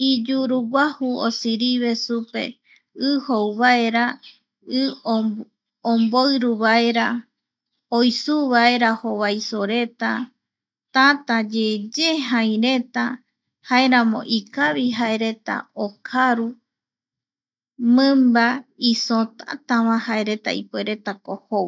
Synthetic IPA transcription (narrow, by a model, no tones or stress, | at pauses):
id͡ʒuɾuɡʷahuo̰siɾiβe̞supe̞̰ | ɨhowβae̞ɾa | ɨ | omboɨɾuβaeɾa | ojsuβae̞ɾahoβajsoɾe̞t̪a | t̪at̪ad͡ʒed͡ʒeɦãj̃ɾe̞t̪a | haeɾãmõ̞̰ʔikaβiɦae̞ɾe̞t̪a̰okʰaɾu | mɨ̃mbaisõt̪a̰t̪aβãhae̞ɾe̞t̪a̰ḭpoeɾe̞t̪akohow